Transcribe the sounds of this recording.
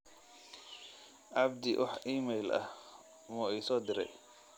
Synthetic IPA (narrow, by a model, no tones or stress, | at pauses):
ʕɑbd̪ɪwʔɑ̰ħiːmɛjlʔɐ̰h | mʊɛjsɔːd̪ɪɾɛ̰j